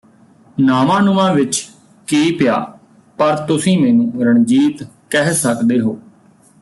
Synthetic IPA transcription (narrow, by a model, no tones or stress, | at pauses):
naːmãːnʊmãːʋɪt͡ʃ | kiːpɪja̰ː | pəɾt̪ʊsĩːmeːnũːɾəɳd͡ʒiːt̪ | kɛɦsəkd̪eːɦoː